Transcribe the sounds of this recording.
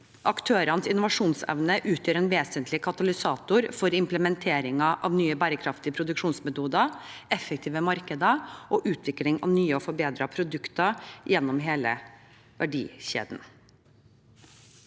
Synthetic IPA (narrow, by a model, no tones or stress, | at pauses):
ʔɑkt̪ʰøːɾɑnəsɪnʊʋɑʂuːnsɛ̰ʋnəʔʉːt̪jøːɾɛːnʋeːsənt̪lɪkʰɑt̪ɑlɪsɑːt̪ʊɾfɔɾɪmpləmɛnt̪ʰeːɾɪŋɑʔɑʋnyːəbæːɾəkʰɾɑft̪ɪəpʰɾʊd̪ʉkʂuːnsmɛt̪uːd̪ɑɛfɛk̚t̪ʰiːʋəmɑɾkəd̪əʔoːʔʉːt̪ʰʋɪklɪŋɑ̰ʋnyːəɔfɔɾbeːd̪ɾɑpʰɾʊd̪ʉkt̪ɑjɛnːɔmɦeːlə̰ | ʋʔæɖḭːɕḛːd̪n